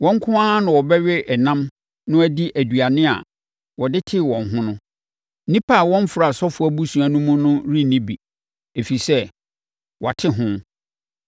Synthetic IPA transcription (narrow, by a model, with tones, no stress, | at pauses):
wɔ̃˦ŋ˦kʰʊ̃˦ã˦nʊ̃˨wɔ˨bɛ˦ɥɛ˦ʔɛ˨nã˦m | nʊ̃˦æ˦di˦ʔæ˨dɥa˨nɪ̃˦a̰˨ | wɔ˨dɪ˦tʰɪ˦˨wɔ̃˨nɦʊ̃˦nʊ̃˦ | nĩ˦pʰa˦˨wɔ̃˦m˦fɾa˨sɔ˦fʊ˨˦æ˦bu˦sũ˨a˨nũ˦mʊ̃˦nʊ̃˦ɾi˦˨nĩ˦bi˨ | e˨fi˨sɛ˦ | wɔ˨a˨tʰɪ˦ɦʊ̃˦